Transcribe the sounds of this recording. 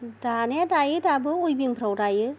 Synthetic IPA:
d̥anɛdajɯdabɯujbiŋpʰɾowdajɯ

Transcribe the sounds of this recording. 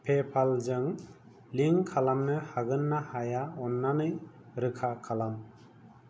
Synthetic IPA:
pʰepʰalzɯŋ | liŋkʰalamnɯhaɡɯnːahajaɔnːanɯj | ɾɯkʰakʰalam

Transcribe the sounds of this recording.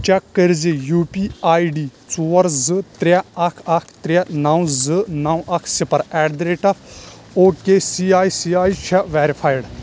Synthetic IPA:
t͡ʃɛkːəɾzijuːpiaːjiɖiːt͡suːɐɾzɨt̪ɾaɐkʰɐkʰt̪ɾʲanaw̃zɨnaw̃ʔɐkʰsipɐɾɛːɖd̪ɾeːʈɐp | oːkesiaːjsiaːit͡ʃʰɛʋɛːɾipʰaːjɽ

